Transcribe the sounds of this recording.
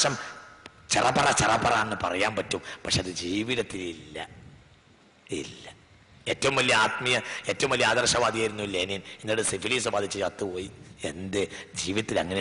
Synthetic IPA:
ʂɐm | t͡ɕerɐpːɐrɐt͡ɕerɐpːɐraːnenːɨpɐ̰rɐjaːmpɐtːumpɐkʂeɐðɨd͡ʑiːʋiðɐt̪ːililːɐ̰ | ḭlːɐ | e̞ːtːɐʋumʋɐlːijɐaːt̪mijɐe̞ːtːɐʋumʋɐlijɐaːd̪ɐrʂɐʋaːd̪ijaːjɾunːuilːeːneːninːiɽesifiliːs̬ɨbaːd̪ʱit͡ɕːɨt͡ɕɐt̪ːɨpoːjie̞̰nd̪ed͡ʑiːʋiðɐt̪ːilɐ̰ŋːɐne

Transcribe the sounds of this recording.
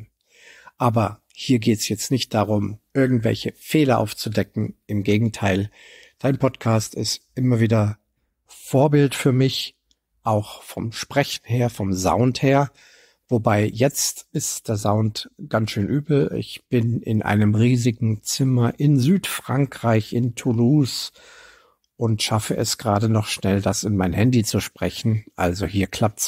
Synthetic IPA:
ʔaːbɐ | hiːɐɡeːtsjɛt͡stnɪçt̚d̥aʁʊmʔɪɐɡŋ̩tv̥ɛ̰lçəfeːlɐʔa̰ʊft͡sudɛkŋ̩ʔɪmɡeːɡŋ̩tʰaɪl | d̥aɪnpʰɔtkʰaːstɪstʔɪmɐviːdɐ | foːɐbɪltfyːɐmɪç | ʔaʊxfɔmʃpʁ̥ɛçn̩heːɐfɔmza̰ʊntheːɐ | vobaɪjɛt͡stɪstd̥eːɐzaʊntɡ̥ant͡sʃøːnʔyːbl̩ɪ̰çb̥ɪnɪ̰nʔa̰ɪnəmʁiːzɪɡŋ̩t͡sɪmɐʔɪnzyːtfʁ̥aŋkʁ̥aɪçɪntʰuluːs | ʔʊntʃafəʔɛsɡ̥ʁaːdənɔχʃnɛldasɪnmaɪnɦɛndit͡suʃpʁ̥ɛçn̩ʔa̰lzohiːɐkʰl̥ap̚ts

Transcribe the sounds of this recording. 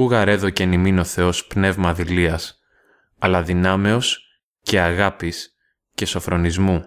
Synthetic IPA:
uɣɐɾe̞ðo̞ce̞nimino̞θe̞o̞spne̞vmɐðiliɐs | ɐlɐðinɐme̞o̞s | ce̞ɐɣɐpis | ce̞so̞fɾo̞nizmu

